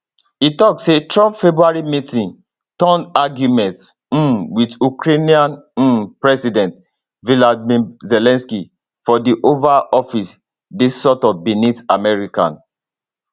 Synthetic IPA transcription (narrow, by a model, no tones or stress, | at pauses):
itɔksetɹɔpfɛbɹuaɹimitĩn | tɔ̃ndaɡjumɛ̃nt̩ | widukɹeniãn̩pɹɛsidɛ̃nt | viladmĩzɛlɛ̃nski | fɔdiʔovaʔɔfis | desɔtɔbinitamɛɹikã̰n